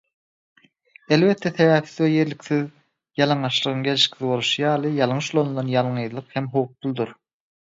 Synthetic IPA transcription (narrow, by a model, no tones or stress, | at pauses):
e̞lβe̞t̪ʰːeθe̞βæːpθiðweje̞ɾlikθið | jɑlˠɑŋɑʃlˠɯʁɯŋɡe̞liʃkθiβo̞lˠuʃɯjɑːlˠɯjɑlˠɴɯʃolˠond̪ɑnjɑlˠɴɯjðlˠɯqhemɦo̞wp̚b̪ulˠd̪uɾ